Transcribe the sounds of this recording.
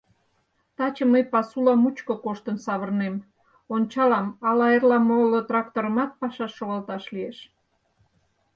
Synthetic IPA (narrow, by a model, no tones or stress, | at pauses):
t̪ɑt͡ɕəməjpɑsulɑmut͡ɕkokoʃt̪ənsɑβərnem | ont͡ɕɑlɑmɑlɑerlɑmolot̪rɑkt̪oɾəmɑt̪̚pɑʃɑʃːoɣɑlt̪ɑʃlieʃ